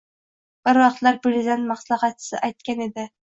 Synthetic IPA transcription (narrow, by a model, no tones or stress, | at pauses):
b̥ɪɾwɑqt̪laɾbɪɾzanmɑχslˠɑχɑtːsɪ̰ʔajt̪̚kʲaned̪ɪ